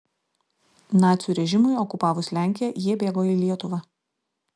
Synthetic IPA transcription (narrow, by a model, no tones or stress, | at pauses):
nɑːt̪sʲjuːɾʲɛʒʲɪmʊɪɔkʊpɑːʋʊslʲæˑŋʲkʲɪjɛjiɛbʲeːɡoːilʲiɛt̪ʊʋɑ